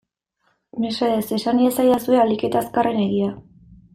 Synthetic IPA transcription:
meseðese̞saniesajasue̞alike̞t̪askare̞ne̞ɣia

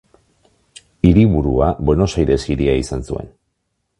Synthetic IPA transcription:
iɾiβuɾuabe̞no̞sajɾe̞siɾiaisansue̞n

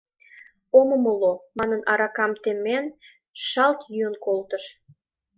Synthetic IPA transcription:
oməməlomɑnənʔɑɾɑkɑmt̪emen | ʃɑlt̪jyənkolt̪əʃ

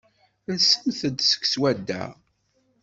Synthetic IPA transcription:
nsəmθəd̪sə̥kswæd̪ːæ̰

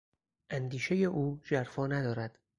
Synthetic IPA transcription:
ʔænd̪iːʃeje̞ʔuːd͡ʒæɾfɒːnæd̪ɒːɾæd̪̥

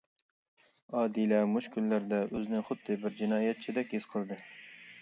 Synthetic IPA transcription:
ɑːd̪ilɛmuʃkʲʰynlæɾd̪ɛʔøznɪχʊd̪ːɨbɪɾd͡ʒinɑːjɛt̪̚t͡ʃʰid̪ɛkʲiz̥qʰəlˠd̪ɨ

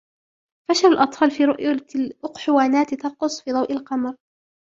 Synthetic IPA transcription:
faʃalalʔɑt̪ˤfɑːlfiːɾʊʔjʔʊqħʊwaːnaːt̪t̪ɑqʊsˤfiːd̪ˤɑwʔɪlqɑmɾ

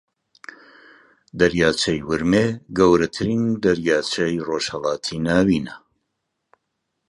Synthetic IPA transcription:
d̪ɐɾjaːt͡ʃʰɐjwɨɾmeɡɐwɾɐt̪ʰɨɾiːnd̪ɐɾjaːt͡ʃʰɐjroːʃhɐlˠaːt̪ʰinaːwiːnɐ

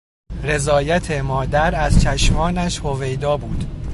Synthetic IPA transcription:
re̞zɒːjæt̪ʰemɒːd̪æɾæzt͡ʃʰæʃmɒːnæʃho̞ve̞jd̪ɒːbuːd̪̥

